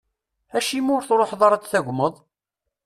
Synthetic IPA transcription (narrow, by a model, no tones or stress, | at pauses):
æʃimʊɾθɾˤoħðˤɑɾˤɑt͡s̪θæʝʷməðˤ